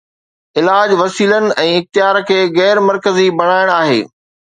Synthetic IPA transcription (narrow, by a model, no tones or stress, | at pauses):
ɪlaːd͡ʑʋɐsiːlənɪ̆ʔɛ̃ːɪxt̪ɪjaːɾkʰeːɣɛːɾmɐɾkəzibɐɽ̃aːɪɽ̃aːɦḛː